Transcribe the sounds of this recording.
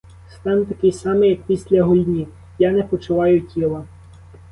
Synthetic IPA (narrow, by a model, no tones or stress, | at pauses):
st̪ɑnt̪ɐkɪjsɑmɪjɐk̚pʲisʲlʲɐɦɔjʲnʲi | janɛpɔt͡ʃʊʋɑjʊtʲilˠɐ